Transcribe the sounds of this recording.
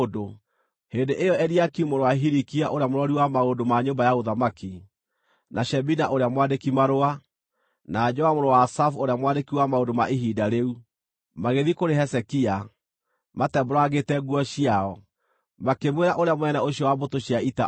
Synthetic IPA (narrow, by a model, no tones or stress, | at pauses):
do | hendeʔejɔɛɾiakiumoɾowaɦiɾikiaʔoɾeamoɾwɔɾiwamaodomaɲombajaɣoðamaki | naɕɛbinaʔoɾeamwandekimaɾoa | nad͡ʒɔamoɾowasafoɾeamwadekiwamaodomaʔiɦidaɾeu | maɣeðikoɾeɦɛsɛkia | matɛboɾaɣetɛɣwɔɕiaɔ | makemweɾaʔoɾeamwɛnɛoɕiɔwabotoɕjaita